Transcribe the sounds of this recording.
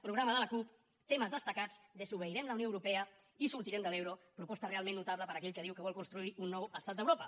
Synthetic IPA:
pɾuɣɾaməðələkup | t̪eməzðəst̪əkad͡zd̪əzuβəiɾɛmləwnioəwɾupɛə | isuɾt̪iɾɛmd̪əlewɾopɾupɔst̪ərealˠmẽnːut̪aβləpəɾəkɛʎkəðiwkəβɔlˠkunst̪ɾuiunːɔwəst̪at̪d̪əwɾopə

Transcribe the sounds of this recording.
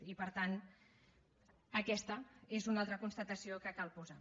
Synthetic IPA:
ipəɾt̪an | əkɛst̪əezunalˠt̪ɾəkunst̪ət̪əsiokəkalˠpuza

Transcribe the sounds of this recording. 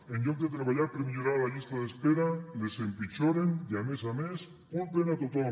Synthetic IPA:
enʎoŋket̪ɾaβaʝaɾpɾemiʝoɾalaʎist̪aðespeɾalesempit͡ʃoɾendamesames | kult̪enat̪ot̪o

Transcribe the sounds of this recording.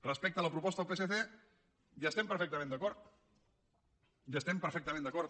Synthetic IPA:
rəspɛk̚t̪ələpɾupɔst̪əəpeseθe | jast̪ɛmpəɾfek̚t̪əmẽnd̪əkɔɾt̪̚ | jast̪ɛmpəɾfɛk̚t̪əmẽnd̪əkɔɾ

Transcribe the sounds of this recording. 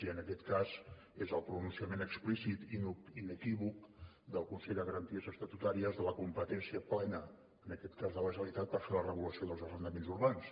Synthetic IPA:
iənəkɛt̪kaz | ezəlˠpɾununsiəmenəksplisit̪inuinəkiβuk | d̪əlˠkunsɛʎd̪əɣəɾənt̪iəzəst̪ət̪ut̪aɾiəzðələkumpət̪ɛnsiəplɛnəː | nəkɛt̪kazðələʒəlit̪at̪̚pəɾfeɾlərəβuləsioðəlˠzəlrənd̪əmenzuɾβans

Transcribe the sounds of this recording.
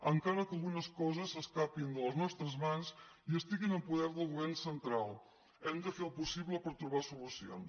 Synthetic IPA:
əŋkaɾəkəlˠɣunəskɔzəsəskapind̪ələznɔst̪ɾəzmanziəst̪iɣinəmpuðɛɾðəlˠɣuβɛɾnsənt̪ɾalˠ | ɛmd̪əfelˠpusiβləpəɾt̪ɾuβasulusio̰ns

